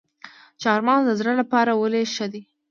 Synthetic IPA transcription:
t͡ʃɑɾmɑnd̪əzɽəlapɑɾawəleʃəd̪i

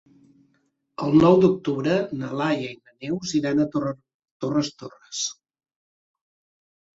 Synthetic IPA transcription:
əlˠnɔwd̪uk̚t̪uβɾənəlajəinənewziɾanət̪ | t̪orəst̪orəs

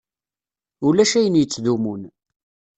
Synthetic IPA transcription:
ʊlæʃæjənjət͡sːðumun

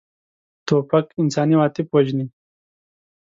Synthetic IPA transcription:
t̪oːpɐkɪnsɑːniwaːt̪ipwoʒni

